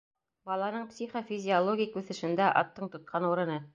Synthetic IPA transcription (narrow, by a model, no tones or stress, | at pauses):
bɑlˠɑnɤɴpsʲiχofʲizʲɪolˠoɡʲɪjkʉθɘ̆ʃɘ̆nd̪æʔɑ̰t̪ːɤɴt̪ŏt̪̚qʰɑnuɾɤ̆nɤ